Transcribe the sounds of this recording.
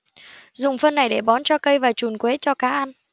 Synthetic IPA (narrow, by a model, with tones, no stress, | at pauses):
zʊ˨˩ŋ͡mfə˧nːa˨˩jɗe˧˩ɓɔ˨˦nt͡ɕɔ˧kə˧jvaː˨˩t͡ɕu˨˩nkwe˨˦t͡ɕɔ˧kaː˨˦ʔa˧n